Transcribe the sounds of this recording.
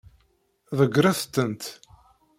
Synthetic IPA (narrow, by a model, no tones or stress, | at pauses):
ðəɡɾˤaθt̪ːənt̪